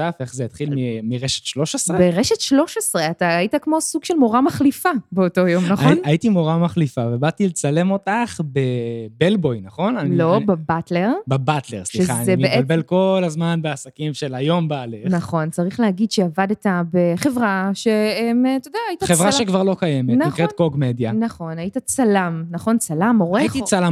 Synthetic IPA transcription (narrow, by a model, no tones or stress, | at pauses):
tafeχzejat̪χilmimiʁeʃe̥t̪ʃlo̞ʃesʁebeʁeʃet̪ʃlo̞ʃesʁeataːjitakmo̞suɡ̥ʃelmo̞ʁamaχlifabeoto̞jo̞mnaχaonajitimo̞ʁamaχlifavebat̪ilet͡sale̞mo̞taχbebelbo̞jnaχo̞nanlilo̞babatle̞ʁbebatle̞̰ʁsliʃeaneibeʔealbelko̞lazmanbeasakimʃe̞lajo̞mbaːlenaχo̞nt͡saʁiχleɦaɡidʃeavadetabeχe̞vʁaʃeemt̪odaaːitaχevʁaʃekvaʁlo̞kajemetnanikkʁet̚koɡmedjanaχo̞najitat͡salamnaχo̞nt͡salamoʁeaitit͡sala